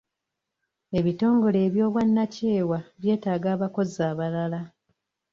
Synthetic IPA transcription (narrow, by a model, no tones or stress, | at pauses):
e̞βito̞ːŋɡo̞le̞ːβjo̞ːβwanːace̞ːwaβje̞ːtaːɡaːβako̞zaːβalala